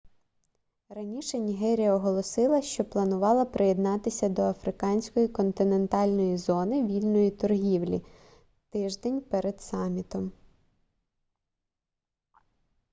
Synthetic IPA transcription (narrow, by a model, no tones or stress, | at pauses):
rɐnʲiʃɛnʲiɦɛɾʲijɐɔɦɔlˠɔsɪlˠɐʃt͡ʃɔplˠɐnʊʋɑlˠɐpɾʔɪjed̪nɑt̪ɪsʲɐd̪ɔɐfɾɪkɑnʲsʲkɔjikɔnt̪ɪne̞nt̪ɑlʲnɔjizɔnɪʋʲilʲnɔjit̪ɔrɦʲiwlʲḭ | t̪ɪʒd̪enʲpɛɾed̪̥sɑmʲit̪ɔm